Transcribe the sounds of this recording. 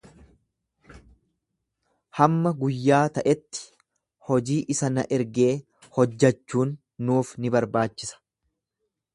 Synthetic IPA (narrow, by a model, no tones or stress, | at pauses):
hɐmːɐɡʊjːaːt̪ɐʔɛt̪ːɪ̥ | hɔd͡ʒiːʔɪsɐnɐ̰ʔɛɾɡeː | hɔd͡ʒːɐt͡ʃːuːnː | uːfnɪbɐɾbaːt͡ʃːɪsɐ̥